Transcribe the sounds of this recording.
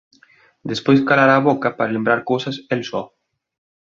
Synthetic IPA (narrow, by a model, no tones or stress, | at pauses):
d̪espojskalaɾaːβokɐpaɾalembɾaɾkowsɐselsɔ